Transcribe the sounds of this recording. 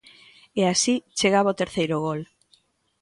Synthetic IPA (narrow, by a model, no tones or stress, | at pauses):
easit͡ʃeɣaβaot̪eɾθejɾʊɣ̞ol